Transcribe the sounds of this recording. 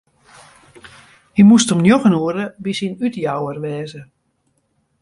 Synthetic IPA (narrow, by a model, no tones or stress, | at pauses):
himustomnjoxənuəɾəbisinytjawərʋɛːzə